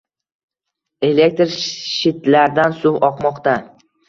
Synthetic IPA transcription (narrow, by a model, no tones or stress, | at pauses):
e̞le̞k̚ʲt̪ɾʃɪt̪laɾd̪ansʊwɒqmɒqt̪a